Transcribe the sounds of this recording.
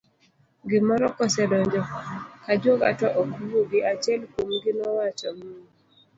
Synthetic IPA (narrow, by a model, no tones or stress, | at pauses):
ɡɪmɔɾɔkɔsɛdɔɲd͡ʒɔkad͡ʒwoɡa̰tɔʔɔkuɾoɡɪat͡ʃɛlkumɡɪnɔwat͡ʃɔmu